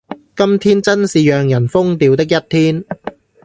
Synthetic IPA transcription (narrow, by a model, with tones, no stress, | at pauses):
kɐ˥mt̪ʰiː˥nt͡sɐ˥nsiː˨jœː˨ŋjɐ˨˩nfʊ˥ŋt̪iː˨˧wt̪ɪ˥k̬̚jɐ˥t̚t̪ʰiː˥n